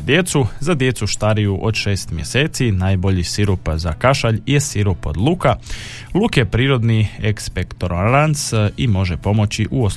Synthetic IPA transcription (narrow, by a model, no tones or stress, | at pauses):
d̪je̞t̪suzad̪je̞t̪suʃt̪aɾijuʔo̞d̪ʃe̞ːst̪mje̞seːt̪sinaːjbo̞ʎisiɾupzakaʃaʎje̞siɾupo̞̰d̪lˠuka | lˠukepɾiːɾo̞d̪niekspekt̪oɾanansimo̞ʒe̞po̞mo̞t͡ɕiʔuos